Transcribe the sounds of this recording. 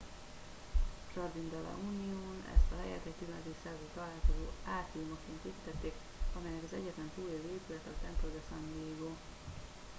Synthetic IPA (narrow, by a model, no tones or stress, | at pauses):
rɒd̪ind̪ɒlɒ̰ʔuːnioːnɛ̰st̪ɒlɛjɛ̰lt̪ɛct̪ylømɛt̪øsaːɡut̪ɒlaːlkozoːaːt̪iumokːeːnt̪eːpit̪ɛt̪ːeːk | ɒmɛjɛkɒzɛ̰ɟːɛt̪lɛnt̪uːleːveːpylɛt̪ɛt̪ɛnp̪od̪ɛsɒnd̪ieːɡoː